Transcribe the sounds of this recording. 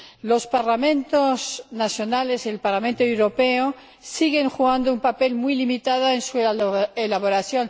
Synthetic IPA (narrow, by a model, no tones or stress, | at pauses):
lospaɾlamẽ̞nt̪oznaθjonale̞selpaɾlamẽnt̪oewɾo̞peo | siɣe̞ŋxuɣand̪oumpape̞lmujlimit̪aðoensuelaβoɾaθjo̞n